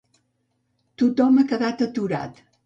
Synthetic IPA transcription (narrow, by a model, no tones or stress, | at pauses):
t̪ut̪ɔməkəðat̪ət̪uɾa̰t̪